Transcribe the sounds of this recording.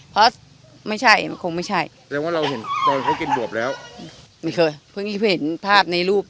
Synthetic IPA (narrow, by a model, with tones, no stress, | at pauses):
pʰɾɔ˦˥ | ma˥˩jt͡ɕʰa˥˩ja˧˥kʰo˧ŋma˥˩jt͡ɕʰa˥˩j | ɛ˧˦ŋwaː˥˩ɾa˧wɦe˩˦nk̪ɔː˧nkʰɔ˦˥˩ki˧nbu˨˩əp̚lɛː˦˥wː | ma˧˥˩kʰɤː˧pʰɯ˧˩ŋiː˦˥˩pʰɯ˥˩he˩˦npʰaː˥˩p̚na˧jɾuː˥˩p̚